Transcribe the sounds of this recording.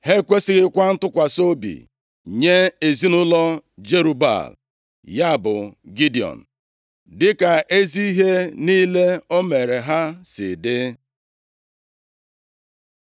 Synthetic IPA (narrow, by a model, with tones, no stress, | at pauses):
he˦kʷe˦sɪ˦ɣɪ˦kʷa˦n̩˦tʊ˦kʷa˨so˦bḭ˨ | ɲe˦e˨zi˦nʊ˦lɔ˦d͡ʒe˦ɾu˨ba̰˨l | ja˦˨bʊ̰˨ɡi˦di˨ɔ̰˨n̩˨ | dɪ˦ka˨ʔe˦zi˦i˦ɦe˦ni˦le˦o˦me˨ɾe˨ɦa˦sɪ̰˨dɪ˦